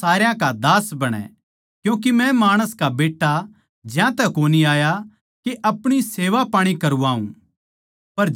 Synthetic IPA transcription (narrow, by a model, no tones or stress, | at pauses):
aːɾjãkad̪aːsbɐɽ̃ɛ̰̃ | kjũːk̬imɛ̃maːɽ̃əskabeːʈːa | d͡ʒjãt̪ɛkoːniaːja | keʔɐpɽ̃iseːʋapaːɽ̃ikɐɾũaːṵ̃ | pɐɾ